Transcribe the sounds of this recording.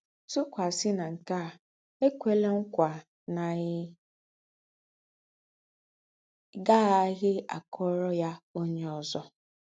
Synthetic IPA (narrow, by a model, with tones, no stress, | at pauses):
su˦kʷa˨sɪ˦na˨ŋ̩˨ka˦˨ | e˦kʷe˦le˦ŋ̩˦kʷa˨ | na˨˦ | ɡa˦a˦ɣɪ˦a̰˨kʰɔ˦ɾɔ˦ja˦o˦ɲe˦ɔ˨zɔ˦